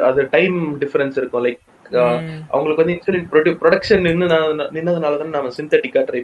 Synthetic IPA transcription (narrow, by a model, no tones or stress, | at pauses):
ɐðɯʈɐɪmɖɪfɐɾɛnsɪɾɯkːʊ̃lɐɪk | ʔɐ̰ʋɐŋɡɐɭɯkːʋɐnd̪ɪnsɐlɪpɾɔɖpɾɔɽɐkʂɐnɪɾɯnd̪ɯnaːnnɪnːɐðɐnaːlɐt̪aːnnaːmɐsɪnt̪ɐʈɪkːaːʈɾɐɪ